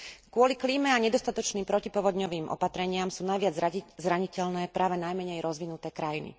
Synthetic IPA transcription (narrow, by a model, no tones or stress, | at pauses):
kʊɔlikliːmɛaɲɛd̪ɔst̪at̪ɔt͡ʃniːmpɾɔcipɔʋɔd̪ɲɔʋiːmʔɔ̰pat̪ɾɛɲɪamsuːnajʋɪad͡zzɾaɲicɛlnɛːpɾʔaːʋɛnajmɛɲɛjɾɔzʋinut̪ɛːkɾajinḭ